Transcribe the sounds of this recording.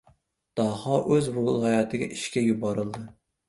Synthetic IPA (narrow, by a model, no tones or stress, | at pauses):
d̪̥ɑhɑʔøzbuɑjɑːt̪ʰɨɡʲɛ̰ʔiʃkʲɛjubɑɾɨlˠd̪ɨ